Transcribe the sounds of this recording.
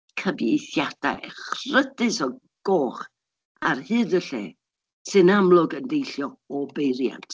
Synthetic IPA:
kʰəbjejθjad̥a̰ɛχrədɨsɔ | ɡ̥oːχ | arhɨːðəɬḛ | sɨnamlˠʊɡəndejɬjɔɔbejɾja̰ntʰ

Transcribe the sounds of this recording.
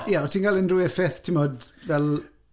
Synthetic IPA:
jaɔtʰiːnɡalˠənrʊɛfɛθtʰɪmɔdvɛlˠ

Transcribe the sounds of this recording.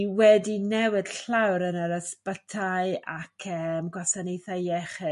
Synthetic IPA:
wɛdinɛwɪd̥ɬawɾənəɾəspətʰaɨakʰəmɡwasanejθajɛχɨ

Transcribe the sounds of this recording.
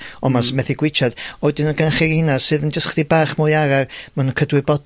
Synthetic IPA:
ɔmasmɛθiɡwɪt͡ʃʰad̥ɔɨdɨnənɡanχɪɾɪnadsɨðənd͡ʒəsχdibaːχmɔjaɾarmanunkʰədwɨbɔd

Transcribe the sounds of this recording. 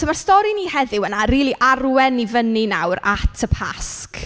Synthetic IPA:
əmarstɔɾiniːhɛðɪwənariːlˠiʔarwɛnːivəninawɾa̰tʰəpʰa̰sk

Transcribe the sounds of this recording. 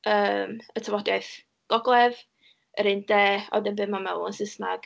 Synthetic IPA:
əːmətʰəvɔdjajθ | ɡ̥ɔɡlˠɛv | əɾɨndɛːɔ̰dənbɨmanmɛwˠənsəsna̰ɡ̥

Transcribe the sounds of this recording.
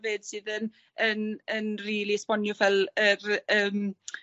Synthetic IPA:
veːd̥sɨːðən | ənənriːlˠispɔnjɔvɛlˠərəːm

